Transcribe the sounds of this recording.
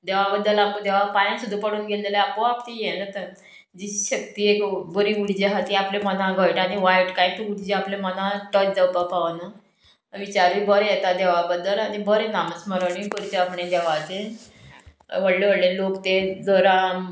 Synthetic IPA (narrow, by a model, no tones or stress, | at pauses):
d̪eʋabəd̪ːəlamud̪eʋapajãsud̪ʱːupəɽuːnɡʱeld̪əleapoapt̪ijenat̪əɾ | d͡ʑiɕək̚t̪iːekbəɾiuɽd͡ʑeɦat̪iaplemənãɡəjʈaɽ̃iʋajʈkajt̪əuɽd͡ʑeaplemənãʈət͡ɕd͡zawpapaʋna | ʋit͡ɕaɾʋibəɾejet̪ad̪eʋabəd̪ːəlanibəɾenaməsməɾaɳipəɾit̪eapɳed̪eʋat̪e | ʋəɽleʋəɽlelokt̪ed͡zəɾa